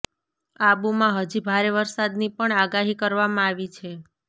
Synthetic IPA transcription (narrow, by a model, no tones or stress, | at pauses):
abumãɦəd͡ʒibʱaɾeʋəɾsad̪nipəɳaɡaɦikəɾʋamãaʋit͡ʃʰe